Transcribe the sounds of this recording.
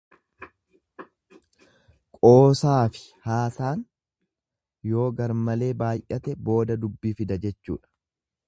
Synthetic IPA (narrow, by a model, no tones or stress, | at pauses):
kʼo̞ːsaːfɪ̥haːsaːn | jo̞ːɡɐɾmɐle̞ːbaːjʔɐt̪ɛbo̞ːd̪ɐd̪ʊbːiːfɪd̪ɐd͡ʒɛt͡ʃːṵːᶑɐ̥